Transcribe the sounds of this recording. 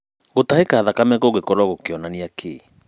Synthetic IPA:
ɣotahekaːðakamɛkoɣekɔɾwaɣokeɔnaneakʰe

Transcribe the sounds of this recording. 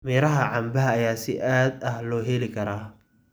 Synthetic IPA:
miːɾɐɦɐʕɑmbɐɦɐːjaːsɪ̰ʔaːd̪ɐhlɔːɦɛlɪkʰɐɾaː

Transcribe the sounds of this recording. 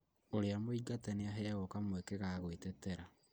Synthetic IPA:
oɾeamoiɡatɛneaɦɛaɣɔkamwekeɣaɣwetɛtɛɾa

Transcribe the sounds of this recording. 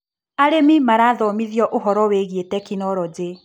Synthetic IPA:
aɾemimaɾaðɔmiðjɔʔoɦɔɾɔweɣietɛkinɔɾɔd͡ze

